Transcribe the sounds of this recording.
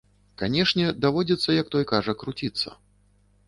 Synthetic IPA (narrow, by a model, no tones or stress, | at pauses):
kanʲɛʂnʲɛd̪avɔd͡zʲɛt̪sːɐjɐk̚t̪ɔjkaʐɐkɾut͡sʲit̪sːɐ̰